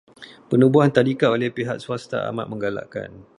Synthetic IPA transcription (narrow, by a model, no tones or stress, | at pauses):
pənũbuɦant̪adikaolɛhpiɦaʔsuast̪a̰a̰ma̰ʔ̪̚mə̃ŋɡala̰ʔka̰n